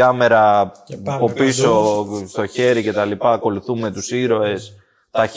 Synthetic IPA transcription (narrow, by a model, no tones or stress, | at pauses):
ɐme̞ɾɐ | po̞piso̞st̪o̞çe̞ɾice̞t̪ɐlipɐːko̞luθume̞t̪usiɾo̞e̞s | t̪ɐ